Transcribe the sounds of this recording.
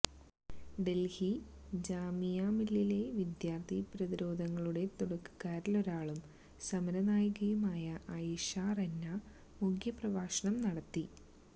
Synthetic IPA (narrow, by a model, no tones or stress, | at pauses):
ɖe̞lhid͡ʑaːmijaːmilːile̞ʋid̪jaːrt̪ʰipɾɐðiɾo̞ːd̪ʱɐŋːɐɭuɽe̞t̪oɽɐkːu̥ɣaːɾilo̞ɾaːɭum | sɐmɐɾɐnaːjɣɐjumaːjɐʔɐjiʂarenːa | mukʰjɐprɐʋaːʂɐɳɐmnɐɽɐt̪ːi